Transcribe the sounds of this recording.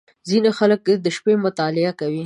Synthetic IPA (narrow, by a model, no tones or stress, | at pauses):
zinexalək̚d̪əʃpemʊt̪ɑlɪakawi